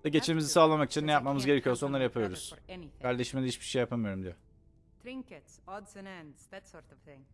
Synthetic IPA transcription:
d̪aɟe̞t͡ʃʰemizisaːlˠamakit͡ʃʰinnɛjap̚mamɯzɟeɾecʰijosao̞nˠaɾɯjapʰajo̞ɾuz̥ɛnijæɾlʲeʃmed̪ɛhit͡ʃbi̥ʃejapʰamɯjo̞ɾumd̪ijo | d̪ɾɪ̃ŋkɛt | ɔdzɨ̃næ̃nz̥ðætsɔɹtɔvθɪ̃ŋ

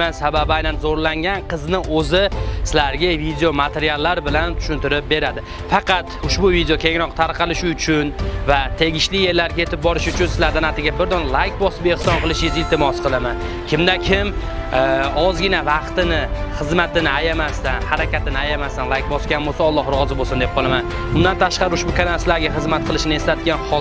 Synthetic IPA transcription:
ansababajnanzoɾlaŋɡʲanqʰɨznɪɵzɪsɪlaɾɡʲavid̪ejomat̪ʰe̞ɾijalˠːaɾbɪlant̪ʰʊ̥ʃʊnt̪ɪɾɪp̚be̞ɾad̪ɪ | fɑqʰɑt̪ʊʃbʊvid̪ejokʲʰe̞ŋɾɒqt̪ʰaɾqʰɑlɪʃʊt͡ʃʰʊnvat̪ʰe̞ɡʲɪʃlɪje̞ɾlːaɾɡʲaet̪ɪp̚bɒɾɪʃʊt͡ʃʰʊnsɪlaɾd̪anat̪ɪɡʲabɪɾd̪ɒnlˠajkʲbɒsɪbeχsɒnqɨlˠɪʃɪzɪlt̪ʰɪmɒsqʰɨlˠaman | kʲʰɪmd̪akʲʰɪm | ɒzɡʲɪnavɑqt̪ɪnɪχɨzmat̪ɪnɪajamast̪anhaɾakʲat̪ɪnɪajamast̪anlˠajk̚ʲbɒsɡʲanbosaɒlˠːɒhɾʊʁɒzɪbosɪnd̪ep̚qʰɒlˠaman | bʊnd̪ant̪ʰaʃqɑɾɪʊʃbʊkʲʰanaslaɾɡʲaχɨzmat̪̚qʰɨlˠɪʃɪnɪe̞slat̪ɪɡʲanχ

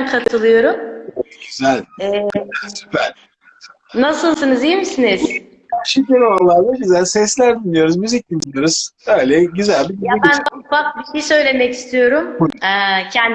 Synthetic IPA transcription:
nkʰat̪ʰɯlˠɯjo̞ɾumɟyzælʲɛzælsy̥pʰæɾ | nasɯlˠsɯnɯzimisiniz̥ | æɾʃeciɾolˠaɾd̪aɟyzælʲsɛslʲæɾd̪inijo̞ɾuzmyzic̚d̪inijo̞ɾuz̥øjlʲɛɟyzælʲbijaænufak̚biʃejsø̞jlʲe̞mɛci̥st̪ʰijo̞ɾumɛcʰɛnd

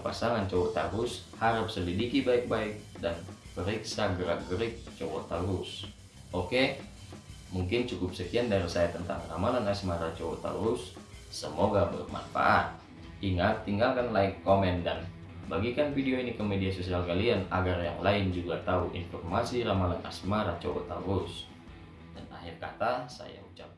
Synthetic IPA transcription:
pasaŋant͡ʃɔwɔt̪aɾʊshaɾəp̚səlidikibaik̚baɪk̚danpəɾiksaɡəɾaɡəɾik̚t͡ʃɔwɔt̪aɾus | oke | muŋkɪnt͡ʃukʊp̚səkiandaɾisajɛt̪ənt̪a̰ŋramalanasmaɾat͡ʃɔwɔt̪a̰ɾusː | əmoɡabə̰rma̰nfa̰ʔat̪̚ | iŋat̪ːiŋɡalkanlaikkomɛndan | baɡikanfideoinikəmediasosialkalianaɡarjaŋlaɪnd͡ʒuɡat̪auʔḭnfɔrmasiɾamalana̰smaɾat͡ʃɔwo̰t̪aɾus | dana̰ɦirkat̪asa̰ja̰ut͡ʃap̚

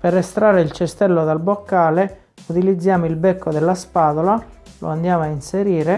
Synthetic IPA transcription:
perest̪ɾaːɾeilt͡ʃɛst̪ɛlːod̪albokːaːle | ut̪ilid̪zːjaːmoilbɛkːod̪ɛlːaspaːd̪olalo̰and̪jaːmoainseɾiːɾe

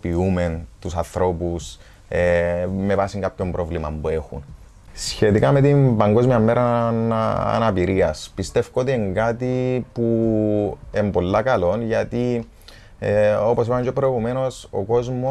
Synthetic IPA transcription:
piume̞nt̪usɐnθɾo̞pus | eme̞vɐsiŋkapço̞mbɾʔo̞vlimɐmbue̞xṵn | sçe̞t̪ikɐme̞t̪imbɐŋɡo̞zmiɐmːe̞ɾɐ | ɐ̰nɐpiɾiɐspist̪e̞fkot̪ieŋɡɐt̪ipu | embo̞lːɐkɐlo̞nʝɐt̪i | eo̞pos̬ipɐmcepɾojɣume̞no̞so̞̰ko̞zmo

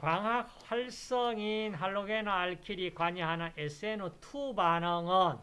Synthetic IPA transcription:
kwaŋɦak̚ɸaɭs͈ʌŋinɦaɭːoɡenoaɭkʰiɾikwaɲiɦanaʔesɯenotʰubanʌŋʌn

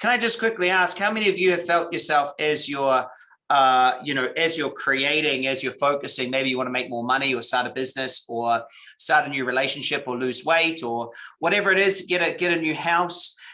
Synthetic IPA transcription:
kʰə̃naɪd͡ʒʌskʰw̥ɪkliæskhaʊmɛ̃niʌvjɨɨv̥fɛlˠt͡ʃə˞sɛlˠfɨzjə˞ | ʌjɨñoʊʔɨzjə˞kʰɹ̥ieɪɾɪ̃ŋɨzjə˞foʊkɨsɪ̃ŋmeɪbijɨwɑ̃nəmeɪk̚mɔɹmʌñiə˞stɑɹɾɨbɪznɨsə˞ | stɑɹɾɨnjʉɹileɪʃɨn̩ʃɪpə˞lʉzweɪɾə˞wʌɾɛvə˞ɨɾɪz̥ɡɛɾɨɡ̥ɛɾɨnjʉhaʊs

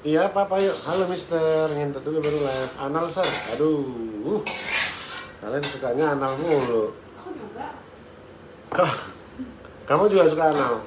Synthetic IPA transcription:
ijapapajoʔhalomist̪ərŋant̪əduɡabəɾulaa̰nalsəra̰duː | h | ka̰lansukaɲaːnalmulo | ka | kamad͡ʒuɡasukaːnal

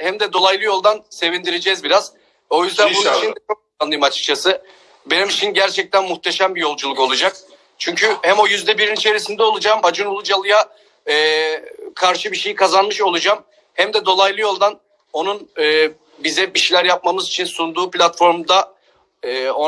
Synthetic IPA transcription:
hæmd̪ɛd̪o̞lˠajlˠɯjo̞lˠd̪anse̞vind̪iɾed͡ʒɛzbiɾaz̥ | o̞jyzd̪ænbunuit͡ʃind̪ɛt͡ʃʰok̚ | anːˠɯjmat͡ʃʰk̚t͡ʃʰasɯ | be̞nimit͡ʃʰinɟæɾt͡ʃʰɛc̚t̪ʰænmuxt̪ʰe̞ʃæmbijo̞lˠd͡ʒulˠuko̞lˠud͡ʒak̚ | t͡ʃʰyɲcʰyhæmo̞jyzd̪ɛbiɾinit͡ʃʰe̞ɾisind̪ɛolˠud͡ʒaːmbad͡ʒɯnulˠud͡ʒalˠɯjaː | kʰaɾʃɯbiʃe̞jikʰazanmɯʃo̞lˠud͡ʒaːm | hæmd̪ɛd̪o̞lˠajlˠɯjo̞lˠd̪an | o̞nunɯː | bizɛbiʃilʲæɾjap̚mamɯzit͡ʃʰinsund̪uːplʲat̪fo̞ɾmd̪a | ɯːo

